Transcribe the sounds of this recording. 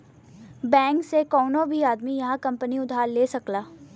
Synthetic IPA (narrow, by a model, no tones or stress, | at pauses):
bɛ̃ːŋksekɔːnõbʱiaːd̪mijɐɦãkɐ̃mpəniʊd̪ʱɦaːɾleːsɐklaː